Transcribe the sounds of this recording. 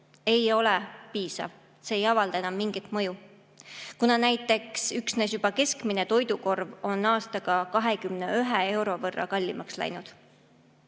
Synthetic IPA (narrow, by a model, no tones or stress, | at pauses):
e̞jo̞lepiːsɑ̰v | se̞ːjɑvɑld̪̥ɑenɑmːiŋɡ̥it̪ˑmɤju | kunɑnæjt̪ːˑe̞ksyksnes̬jub̥ɑke̞skmine̞t̪o̞jd̪uko̞rvo̞nɑːst̪ɑɡ̥ɑkɑɦe̞kymne̞yɦee̞wɾo̞vɤrːɑ̰kɑlʲːimɑkslæ̰jnud̪̥